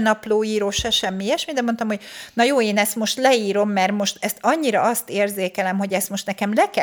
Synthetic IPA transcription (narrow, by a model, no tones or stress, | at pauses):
nɒploːiːɾoːʃɛʃɛmːiɛʃmid̪ɛmo̞nt̪ɒmho̞ɟnɒjoːeːnɛst̪mo̞ʃt̪lɛiːɾo̞mːɛrmo̞ʃt̪ɛst̪ɒɲːiɾɒɒst̪eːrzeːkɛlɛmɦo̞ɟɛst̪mo̞ʃt̪nɛkɛmlɛkɛ